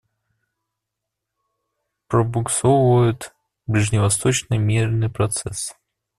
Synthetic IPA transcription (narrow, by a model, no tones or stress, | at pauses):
pɾəbʊksovvəjʊt̪ | blʲɪʐnʲɪvɐst̪ot͡ɕnɨjmʲirnɨjpɾɐt̪sɛ̰s